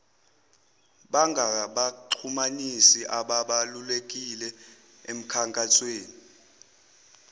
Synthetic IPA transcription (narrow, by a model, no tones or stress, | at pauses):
ɓaŋɡʱaɓaǃʰumanisiʔaɓaɓalulek̬ʼilɛ | em̩kʰaŋkʼasweːni